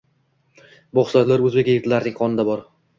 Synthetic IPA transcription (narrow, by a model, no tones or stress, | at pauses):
bɒχsat̪laɾɵzbekʲjeɡʲɪt̪laɾnɪŋqʰɒnɪd̪abɒɾ